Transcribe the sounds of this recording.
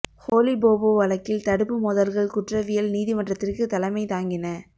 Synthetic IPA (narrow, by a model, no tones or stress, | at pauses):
hoːlɪboːboːʋɐlɐkːɪlt̪ɐɽɯpːɯmɔðɐlɣɐɭkʊʈrɐʋɪjɐlniːðɪmɐʈrɐt̪ːɪrkɯt̪ɐlɐmɐɪt̪aːŋɡɪnɐ